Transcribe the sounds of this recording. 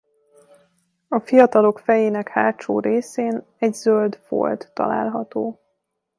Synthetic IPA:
ɒfijɒt̪ɒlo̞kfɛjeːnɛkhaːt̪t͡ʃo̰ːɾeːseːn | ɛɟzøld̪fo̰lt̪ːɒ̰la̰ːlɦɒt̪oː

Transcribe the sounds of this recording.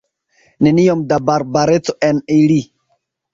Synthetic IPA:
neniomdabaɾbaɾet͡so̞ʔenili

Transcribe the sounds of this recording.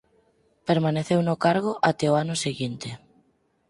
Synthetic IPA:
peɾmaneθewnokaɾɣ̞oʔat̪eoanoseɣint̪e

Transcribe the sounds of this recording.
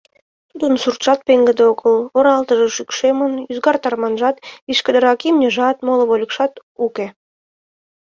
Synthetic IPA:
t̪ud̪ənsurt̪ʃɑt̪̚peŋɡəd̪eoɣəloɾɑlt̪əʒəʃykʃemənyzɡɑrt̪ɑrmɑnʒɑt̪βiʃkəd̪əɾɑkimnʲəʒɑt̪moləβolʲəkʃɑt̪uke

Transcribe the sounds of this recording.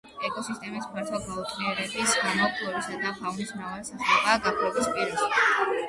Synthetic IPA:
ɛkʼɔsist̪ʼɛmispʰɛɾt̪ʰɛlˠbʰalˠut̪ʰʼɾiɛɾɛbisɡamɔkʰʼlˠɔbisad̪ahaunismɾavalisasaχaːɡapʰɾɔbispʼiɾɛʃi

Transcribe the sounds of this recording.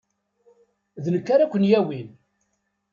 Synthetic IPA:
ðnəkːaɾakʷənjæwin

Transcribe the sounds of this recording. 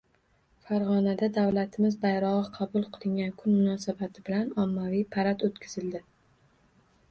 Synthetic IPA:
faɾʁɒnad̪ad̪awlat̪ʰɪmɪzbajɾɒʁɨqʰɑbʊlˠqʰɨlˠɪŋɡʲankʰʊnmʊnɒsabat̪ʰɪbɪlanɒmːavijpʰaɾat̪ot̪kʲʰɪz̥ɪld̪ɪ

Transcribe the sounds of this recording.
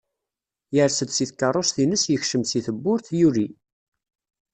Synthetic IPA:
jəɾsəd̪siθkːɑrˤosθinəsjəçʃəmsiθəbːʊɾθjuɾi

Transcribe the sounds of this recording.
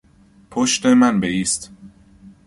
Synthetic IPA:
pʰoʃt̪emænbeiːst̪

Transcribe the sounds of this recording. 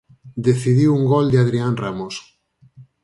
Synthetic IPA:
d̪eθiðiwuŋɡɔld̪eaðɾianramos

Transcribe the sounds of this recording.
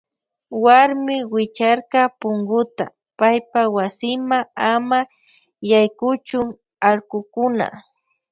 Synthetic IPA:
waɾmɪwɪt͡ʃaɾkɑpʊŋɡʊt̪a | pajpawasɪmaŋama | jajkʊt͡ʃʊŋ | alɢʊkʊna̰

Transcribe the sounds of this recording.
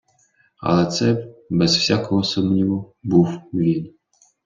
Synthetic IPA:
ɐ̰lˠɛt̪sɛbɛzwsʲakɔɦɔsɔmnʲiʋɔbuwʋʲin

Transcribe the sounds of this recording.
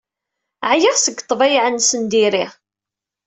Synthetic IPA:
ʕjɪʁsəɡt̪ˤːvæjʕənːsənd̪iɾiʁ

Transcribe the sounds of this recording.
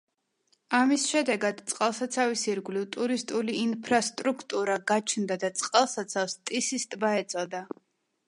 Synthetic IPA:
amisʃɛd̪ɛɡad̪t̪sʼqʼalˠsat̪sʰavisiɾɡlivt̪ʼuɾist̪ʼuliːnpʰɾast̪ʼɾukʰt̪ʼuɾaɡat͡ʃʰnd̪ad̪at̪sʼqʼalˠsat̪sʰafst̪ʼisist̪ʼbaɛt̪sʼɔd̪a

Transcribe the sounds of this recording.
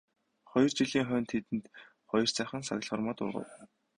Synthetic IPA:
χɔjɞ̆r̥t͡ɕiɮiːŋχœːnt̪ʰet̪ɘ̆nt̪ | χɔjɞ̆r̥t͡sæːχə̆nsa̰ɣ̆ʲɮχɔrmɔːt̪ʊ̰rʁə̰̆w

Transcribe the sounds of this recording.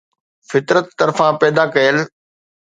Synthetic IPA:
fɪt̪ɾət̪ːɐɾfãpɛːd̪akɐjəl

